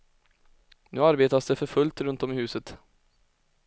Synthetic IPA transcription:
nʉ̟ːaɾbeːt̪asd̪ɛfœɾfɵlt̪ɾɵnt̪ɔmɪhʉːsət̪

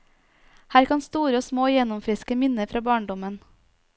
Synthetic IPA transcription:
hæːɾkʰɑnst̪uːɾəoːsmoːjɛnʊmfɾɪskəmɪnəfɾɑːbɑːɳɖɔmən

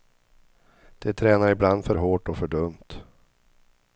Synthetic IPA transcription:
d̪̥ɛt̪ʰɾɛːnaɾɪbland̪fœɾɦoːʈɔfœɖɵmt̪

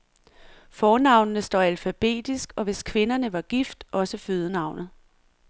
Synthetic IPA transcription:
fɒːnɑ̈ʊ̰nnəsd̥ɒ̰ːælfæb̥e̝̰ːd̥isɡ̥ɒ̽ʋe̝skʰʋe̝nɐnəʋɑ̈ɡ̥ifd̥ʔɒ̽səføð̞ˠənɑ̈ʊnð̩ˠ

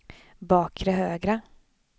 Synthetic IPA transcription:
bɑːkʰɾəɦøːɡɾa

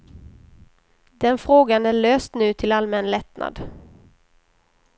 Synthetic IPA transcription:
d̪ɛnfɾoːɡanæɭøːst̪nʉ̟ːt̪ʰɪlalmɛnlɛt̪nʔa̰d̪

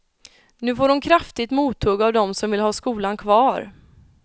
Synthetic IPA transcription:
nʉ̟ːfoːɾʊnkʰɾaft̪ɪt̪muːt̪ʰːɵɡavd̪ɔmsɔmvɪlhɑːskuːlankʰvɑːɾ

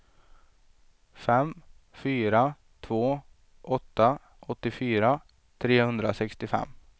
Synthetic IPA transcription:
fɛm | fyːɾa | t̪ʰvoː | ʔɔt̪ːa | ʔɔt̪ːɪfyːɾa | t̪ʰɾeːhɵnd̪ɾasɛkst̪ɪfɛ̰mː

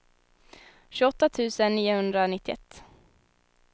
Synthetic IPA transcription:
ɕʉɔt̪ːat̪ʰʉ̟ːsənːiːʊhɵnd̪ɾanɪt̪ːɪɛ̰t̪ː

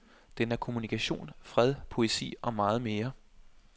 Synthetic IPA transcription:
d̥enæɐkʰo̝munikʰæɕo̝̰ːnfʁɛð̞ˠpʰo̝e̝sḭːʔɒ̽mɑ̈ːð̞̩ˠme̝ːɐ

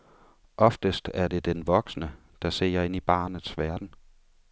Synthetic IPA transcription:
ʔɒ̽fd̥əsd̥æɐd̥e̝d̥enʋɒ̽ɡ̥snə | d̥ɑ̈se̝̰ːɐe̝n̰ib̥ɑ̰̈ːnð̩ˠsʋæɐd̥n̩

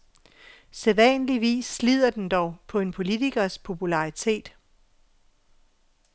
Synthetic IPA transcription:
seðˠʋænəliʋḭːsːlið̞̰ˠɐd̥end̥ɒʊpʰɒ̽e̝npʰo̝lit͡siɡ̥ɐspʰo̝pʰulɑ̈it͡sʰe̝̰ːd̥

